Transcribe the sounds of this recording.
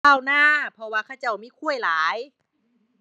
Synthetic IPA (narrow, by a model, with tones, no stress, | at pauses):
aː˧˩˨wnaː˧˥˨pʰɔ˧waː˧˩kʰa˧˩t͡ɕa˧˩wmiː˧˥˨kʰu˧˥˩əjlaː˨˦j